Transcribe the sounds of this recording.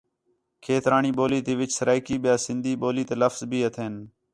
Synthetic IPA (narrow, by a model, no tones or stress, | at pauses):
kʰeːt̪ɾaːɳiːɓoːliːt̪eːʋɪt͡ʃsəɾaːɪkiːɓɪjaːsɪnd̪ʱiːɓoːliːt̪eːləfzbʱiːət̪ʰeːn